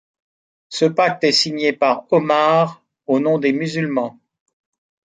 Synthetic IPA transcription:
səpak̚t̪ɛsiɲepaʁɔmaʁ | onɔ̃d̪emyzylmɑ̃

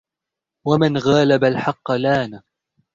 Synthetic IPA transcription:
wamɪnɣaːlabalħɑqːlaːna

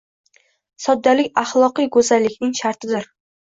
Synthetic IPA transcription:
sɒd̪ːalɪkʲɑχlˠɒqɨjɡɵzalːɪkʲnɪŋʃaɾt̪ɪd̪ɪɾ

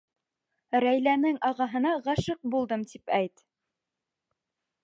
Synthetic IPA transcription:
ɾæjlænɘŋʔɑʁɑɦɤ̆nɑʁɑʃɤq̚bulˠd̪ɤmt̪ipæjt̪

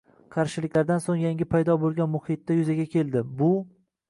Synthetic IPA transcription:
qʰɑɾʃɪlɪkʲlaɾd̪ansoŋjaŋɡʲɪpʰajd̪ɒbolˠɡʲanmʊhɪt̪ːajʊzaɡʲakʲʰe̞lˠd̪ɪbʊ

